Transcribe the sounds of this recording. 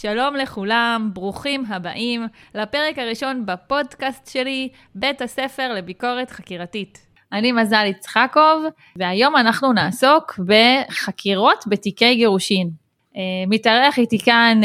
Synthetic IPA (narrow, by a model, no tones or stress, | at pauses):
ʃalo̞mle̞χulambʁuχimɦaba̰ʔimlape̞ʁe̞kaʁiʃo̞nbapo̞dkastʃe̞li | be̞thase̞fe̞ʁle̞biko̞ʁe̞tχakiʁatit | ʔanimazalit͡sχako̞v | veajo̞manaχnunaːso̞kbe̞χakʰiʁo̞tbetike̞jɡeʁuʃin | emitaʁeaχitikan